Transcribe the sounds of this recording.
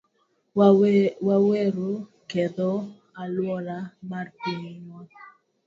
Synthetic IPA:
waweɾo | ked̪ɔ | alwɔlamarpimɔ

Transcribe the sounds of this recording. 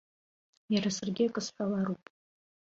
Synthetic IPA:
jaɾasɨrɡʲiakʼɨsħʷᶣalaɾupʼ

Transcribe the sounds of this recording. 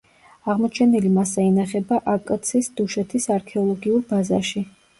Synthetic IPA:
aʁmɔt͡ʃʰɛnilimasainaχɛbaʔakʼt̪sʰisd̪̥uʃɛt̪ʰisaɾkʰɛɔlˠɔɡiuɾbazaʃi

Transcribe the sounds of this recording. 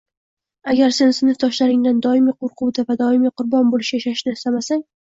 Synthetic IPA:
aɡʲaɾse̞nsɪnɪfd̪ɒʃlaɾɪŋd̪and̪ɒɪmiːqʰoɾqʰʊwd̪avad̪ɒɪmiqʰʊɾbɒnbolɪʃʲaʃaʃnɪɪst̪amasaŋ

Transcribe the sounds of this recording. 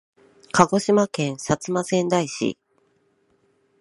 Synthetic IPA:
kaɡo̞ɕimakẽ̞ɰ̃sat͡sɨmasẽ̞nd̪aiɕḭ

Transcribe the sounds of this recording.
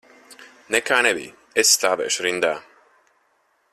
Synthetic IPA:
nɛkaːnɛbḭj | esːt̪aːvɛ̰ːʃɾind̪aː

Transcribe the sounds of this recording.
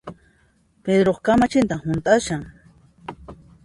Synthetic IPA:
ped̪ɾoχkamat͡ʃɪnt̪ahʊnt̪ʼaʃaŋ

